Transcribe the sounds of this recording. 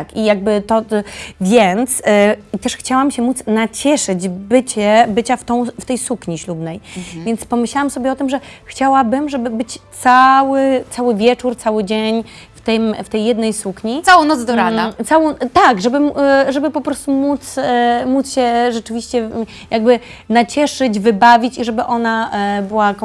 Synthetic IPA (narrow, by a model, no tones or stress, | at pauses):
akijaɡ̚bɘt̪ɔvʲjɛnt̪st̪ɛʂxt͡ɕawamɕɛmut̪snat͡ɕɛʂɘd͡ʑbɘt͡ɕɛbɘt͡ɕaft̪ɔ̃w̃ft̪ɛjsukɲiɕlubnɛjvʲjɛnspɔmɘɕlawamsɔbʲjɛɔt̪ɘmʐɛxt͡ɕawabɘmʐɛbɘbɘt͡ɕt̪sawɘt̪sawɘvʲjɛt͡ʂuɾt̪sawɘd͡ʑeɲft̪ɘmft̪ɛjːɛd̪nɛjsukɲisawɔ̃w̃nɔzd̪ɔɾad̪at̪sawɔ̃w̃t̪aɡʐɛbɘmuʐɛbɘpɔpɾɔst̪umut̪smut̪sɕɛʐɛt͡ʂɘvʲiɕt͡ɕɛ | jʔaɡ̚bɘ | nat͡ɕɛʂɘd͡ʑvɘbavʲit͡ɕiʐɛbɘʔɔnabɘwak